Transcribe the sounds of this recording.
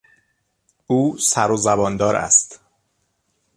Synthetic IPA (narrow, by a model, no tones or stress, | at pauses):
ʔuːsæɾozæbɒːnd̪ɒːɾæ̰st̪